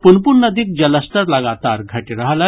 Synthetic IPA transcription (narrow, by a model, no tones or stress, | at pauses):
punpunnəd̪iːk̚d͡ʑəlasʈəɾlaɡat̪aɾɡʱaʈiɾaɦlə